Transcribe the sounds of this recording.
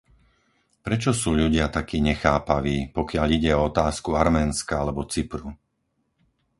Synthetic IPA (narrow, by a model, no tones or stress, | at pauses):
pɾɛt͡ʃɔsuːʎuɟɪat̪akiːɲɛxaːpaʋiːpɔkɪaʎiɟɛɔɔt̪aːskuaɾmɛːnskaalɛbɔt͡sipɾu